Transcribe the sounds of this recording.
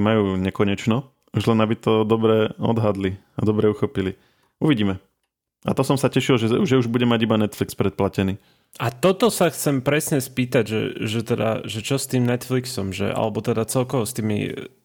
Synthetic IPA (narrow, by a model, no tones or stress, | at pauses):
majuːɲɛkɔɲɛt͡ʃnɔ | uʒlɛnabit̪ɔd̪ɔbɾɛɔd̪ɦad̪li | ad̪ɔbɾɛuxɔpili | uʋiɟiːmɛ | at̪ɔsɔmsacɛʃilʒɛuʒɛuʒbuɟɛmaɟibanɛt̪flikspɾɛt̪̚placɛniː | at̪ɔt̪ɔsaxt͡sɛmpɾɛsɲɛspiːt̪aɟʒɛ̰ʒɛt̪ɛd̪a̰ʒɛt͡ʃɔst̪iːmnɛt̪fliksɔmʒɛ̰ʔa̰lɛbɔt̪ɛd̪at͡sɛlkɔʋɔst̪iːmḭ